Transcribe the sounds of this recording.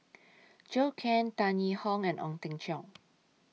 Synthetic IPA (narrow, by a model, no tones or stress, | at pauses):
d͡ʒokʰɛ̃ntãnihɔ̃ŋɛ̃nʔɔ̰̃ŋt̪ɪ̃ŋt͡ʃɔ̃